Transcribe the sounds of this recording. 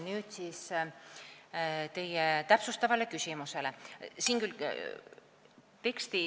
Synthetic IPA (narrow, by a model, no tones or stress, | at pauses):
nyːt̪siːs | t̪e̞jet̪æpsust̪ɑvɑlekysʲimuse̞le̞siːŋkyl | t̪e̞kst̪i